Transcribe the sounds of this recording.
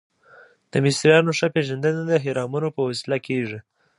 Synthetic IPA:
d̪̥əmɪsɾijɑnoʂapeʒand̪ənad̪əɦɪɾɑmunopəwasilakʰeʐi

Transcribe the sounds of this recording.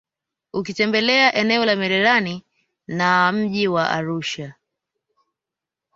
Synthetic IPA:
ukitɛmbɛlɛaʔɛnɛɔlamɛɾɛɾani | nam̩ʄiwaʔa̰ɾuʃa

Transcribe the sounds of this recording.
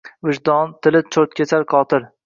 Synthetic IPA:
vɪʒd̪ɒnt̪ʰɪlɪt͡ʃʰoɾt̪kʲʰet͡ʃʰaɾqʰɒːt̪ʰɪɾ

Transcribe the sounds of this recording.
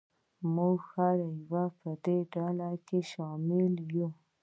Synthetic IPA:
muɡxaɾajwapəd̪eɖɑlakeʃɑmɪlju

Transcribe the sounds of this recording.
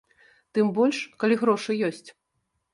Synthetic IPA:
t̪ɨmbɔlʲʂkalʲiɣɾɔʂɨjɔsʲt͡sʲ

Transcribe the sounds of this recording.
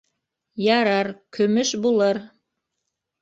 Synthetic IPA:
jɑɾɑɾkʰɵ̆mɵʃbulˠɤɾ

